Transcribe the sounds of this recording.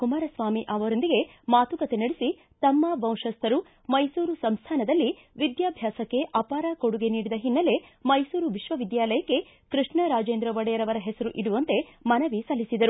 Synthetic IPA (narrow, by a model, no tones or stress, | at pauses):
kumaːɾɐsʋaːmiʔɐʋɐɾond̪iɡe̞maːt̪ukɐt̪e̞nɐɽisi | t̪ɐmːɐbɐw̃ʂɐst̪ʰɐɾu | mɐjsuːɾusɐmst̪ʰaːnɐd̪ɐlːi | ʋid̪jaːbʱjaːsɐkːe̞ʔɐpaːɾako̞ɽuɡe̞niːɽid̪ɐɦinːɐle̞mɐjsuːɾuʋiʃʋɐʋid̪jaːlɐjɐkːe̞ | kɾɨʂɳɐɾaːd͡ʒeːnd̪ɾɐʋɐɽɛjɐɾɐʋɐɾɐɦɛsɐɾuʔiɽuʋɐnt̪e̞mɐnɐʋisɐlːisid̪ɐɾu